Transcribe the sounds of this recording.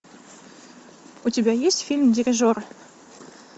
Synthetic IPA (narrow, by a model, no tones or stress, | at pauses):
ut̪ʲibʲæjesfʲilʲmdʲirʲɪʒor